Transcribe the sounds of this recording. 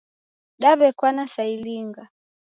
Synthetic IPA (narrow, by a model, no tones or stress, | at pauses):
ɗaβɛkwanasailiŋɡa